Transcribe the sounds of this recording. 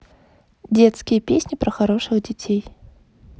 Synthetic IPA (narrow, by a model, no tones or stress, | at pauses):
dʲet̪skʲɪjəpʲesʲnʲɪpɾəxɐɾo̞ʂɨɣdʲɪtʲej